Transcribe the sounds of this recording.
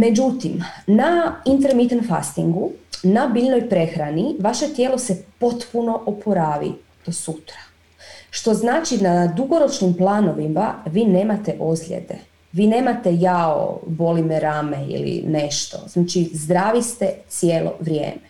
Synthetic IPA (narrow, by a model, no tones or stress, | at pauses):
me̞d͡ʒut̪imnaint̪eɾmit̪anfa̰st̪iŋɡunabiʎno̞jpɾe̞xɾaniʋaʃe̞t̪jeːlˠo̞se̞po̞t̪puno̞ʔopʰoɾaːʋḭ | d̪̥osut̪ɾḁ | ʃt̪o̞znaːt͡ʃinad̪uɡo̞ɾo̞t͡ʃnimplˠaːno̞ʋimaʋiːne̞ːmat̪eʔozlʎʲḛd̪e̞̰ | ʋiːne̞ːmat̪ejao̰bo̞limeɾaːmeḭlḭne̞ʃt̪o̞̰znaːt͡ʃizd̪ɾaːʋist̪et̪sjeːlˠo̞̰ʋɾjḛːme